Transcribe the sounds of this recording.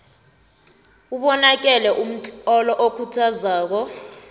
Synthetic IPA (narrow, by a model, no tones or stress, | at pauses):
uɓɔnak̬ʼɛlɛʔum̩t͡ɬʼɔlɔʔokʰutʰazaːk̬ɔ